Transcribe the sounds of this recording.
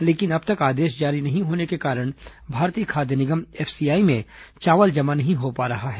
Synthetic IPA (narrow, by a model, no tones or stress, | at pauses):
leːkɪnɐb̚t̪ɐkaːd̪eːʃd͡ʒaːɾinɐɦĩɦoːnekekaːɾəɽ̃bʱaːɾt̪iːəkʰaːd̪jənɪɡəmɛːfʰsiːjaːimẽt͡ʃaːʋəld͡ʒɐmanɐɦĩɦopaːɾɐɦaɦɛː